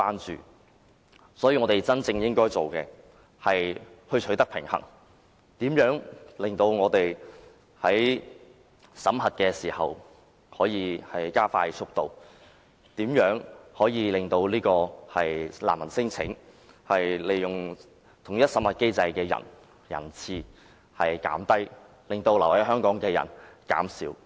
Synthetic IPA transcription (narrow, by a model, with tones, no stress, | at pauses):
aː˥nt͡ʃy̰ː˨˩ | sɔː˨˥jiː˧ŋɔː˨˧t̪e˨jt͡sɐ˥nt͡sɪ˧ŋjɪ˥ŋkɔː˥jt͡so˨wkɛ̰˧ | hɐ˨jhɵ˧ɥt͡ʃʰɵ˨˥ɥt̪ɐ˥k̚pʰɪ˨˩ŋhɐ̰˨˩ŋ | t̪iː˨˥mjœː˨˥ŋlɪ˨˩ŋt̪o˧wŋɔː˨˧t̪e˨j | hɐ˨˥j | sɐ˨˥mɦɐ˨t̚kɛː˧siː˨˩hɐ̰˨w | hɔː˨˥jiː˨˧hɐ˨jkaː˥faː˧˥jt͡sʰʊ˥k̚t̪o˧w | t̪iː˨˥mjœː˨˥ŋhɔː˨˥jiː˧lɪ˨ŋt̪o˧wliː˥kɔː˧hɐ˨jla̰ː˨˩mːɐ˨˩nsɪ˥ŋt͡sʰɪ̰˨˥ŋ | hɐ˨jle˨˩jjʊ˨ŋ | t̪ʰʊ˨˩ŋjɐ˥t̚sɐ˨˥mhɐ˨t̚ke˥jt͡sɐ˧jkɛː˧jɐ̰˨˩n | jɐ̰˨˩nt͡sʰiː˧ | hɐ˨jka̰ː˨˥mt̪ɐ˥j | lɪ˨ŋt̪o˧wlɐ˨˩whɐ˨˥jɦœː˥ŋkɔː˨˥ŋkɛː˧jɐ̰˨˩nka̰ː˨˥msiː˨˥w